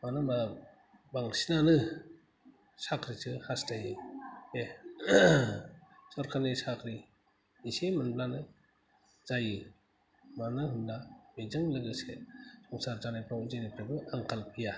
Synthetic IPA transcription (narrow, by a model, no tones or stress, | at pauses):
manɯma | baŋsinanɯ | sakʰɾitʰɯhastajɯe | sɔɾkʰalisakʰɾi | isemanplanɯ | z̥ajɯ | manahɯndamizɯŋlɯɡɯsesɔŋsaɾzanapʰɾawzajnipʰɾabɯaŋkʰalpʰija